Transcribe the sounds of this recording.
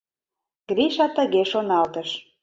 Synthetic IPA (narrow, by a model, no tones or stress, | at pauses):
ɡ̥ɾiʃɑt̪ə̆ɣeʃonɑlt̪əʃ